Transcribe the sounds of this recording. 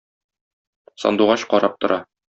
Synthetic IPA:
sɒ̰nd̪uʁɑɕqɒɾɑp̚t̪ŏɾɑ

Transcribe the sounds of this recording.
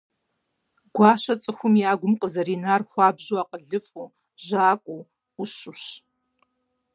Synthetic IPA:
ɡ̥ʷaːʃɐt͡sʼɨxʷʊmiaːɡʷʊmqəzɐɾiːnaːrxʷɑːbʑuaqəɮɨfʼuː | ʒaːkʷʼu | uɕʊɕ

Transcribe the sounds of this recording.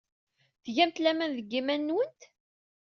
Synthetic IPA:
θʝæmt̪læmænðəɡːimænːwənt̪

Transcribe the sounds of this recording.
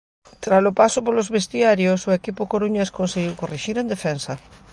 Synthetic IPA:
t̪ɾaslopasʊpolozβest̪iaɾjosoekipʊkoɾuɲeskonseɣ̞iwkoriʃiɾend̪efɛnsa

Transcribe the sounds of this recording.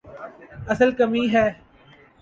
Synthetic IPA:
ɐsəlkɐmiːɦɛː

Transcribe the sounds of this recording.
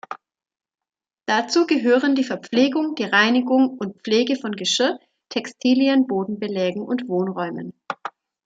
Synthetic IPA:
d̥at͡suːɡəɦøːʁəndiːfɛɐp͡fleːɡʊŋd̥iːʁaɪnɪɡʊŋʊnt̚pp͡fleːɡəfɔnɡəʃɪɐ | tʰɛkstʰiːliənboːdn̩bəlɛːɡŋ̩ʊ̰ntv̥oːnʁɔʏmən

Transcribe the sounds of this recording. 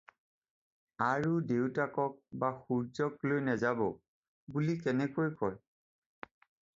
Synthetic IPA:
aɹudewtakɔk̚baxuɹzɔklojnɛzabɔ | bulikɛnɛkojkɔl

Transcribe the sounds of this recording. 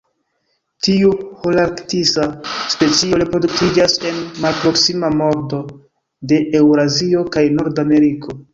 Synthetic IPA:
tiuholaɾktisaspe̞t͡sioɾepɾo̞dukid͡ʒase̞nmalpɾo̞ksimamo̞ɾdo̞ | de̞ʔewɾazio̞kajno̞ɾdame̞ɾikʰo̞

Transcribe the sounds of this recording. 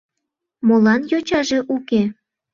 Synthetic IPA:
molɑnjot͡ɕɑʒe̽ʔuke

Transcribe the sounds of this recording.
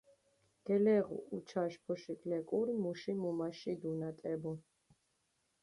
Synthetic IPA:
ɡ̥ɛlɛʁṵut͡ʃʰaʃpʰɔʃikʼlɛkʼuɾmuʃimumaʃid̪unat̪ʼɛbɔ

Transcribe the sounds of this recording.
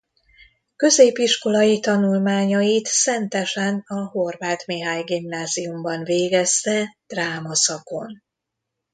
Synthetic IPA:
kø̞zeːpiʃko̞lɒjit̪ɒnulmaːɲɒjit̪sɛnt̪ɛʃɛnɒɦo̞rvaːt̪meːɦaːɲɡimnaːziumbɒnveːɡɛst̪ɛd̪̥raːmɒsɒko̞n

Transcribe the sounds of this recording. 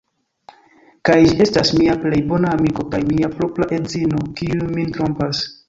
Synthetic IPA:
kajd͡ʒie̞stasmiaple̞jbo̞naːmiko̞kajmiapɾoplaʔe̞zino̞kiumintɾo̞mpas

